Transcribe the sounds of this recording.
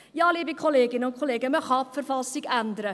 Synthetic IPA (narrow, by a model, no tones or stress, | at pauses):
jɑːliəbikʰoleːɡɪnokʰoleːɡəməχɑːpfərfɑlˠstikændəɾə